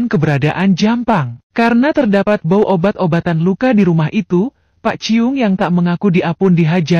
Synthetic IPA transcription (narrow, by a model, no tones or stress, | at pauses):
nkəbəɾadaʔand͡ʒampaŋkaɾənat̪ərdapat̪̚bawʔobat̪obat̪anlukadiɾumaɦit̪u | paʔt͡ʃiʊŋjaŋt̪aʔməŋakudiʔapʊndiɦad͡ʒa